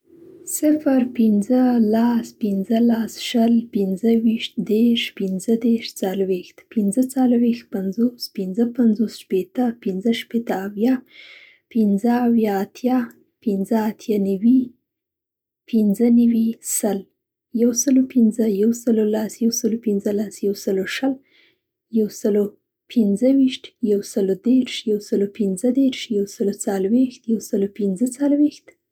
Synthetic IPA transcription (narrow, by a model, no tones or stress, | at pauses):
sɪfɾpinzəlaspinzəlasʃəlpɪnzəwiʃt̪d̪eɾʃpɪnzəd̪eɾʃt͡salwext̪pinzət͡salwext̪̚panzospɪnzəpanzosʃpet̪əpinzəʃpet̪əːwjɑ | pinzəawjɑːt̪ʰjɑ | pinzəat̪ʰjɑnawi | pʰinzənawisəl | jawsəlopinzəjawsəlolasjawsəlopinzəlasjawsəloʃəl | jawsəlo | pʰɪnzəwiʃt̪jawsəlod̪eɾʃjawsəlopinzəd̪eɾʃjawsəlot͡salwext̪jawsəlopinzət͡salwext̪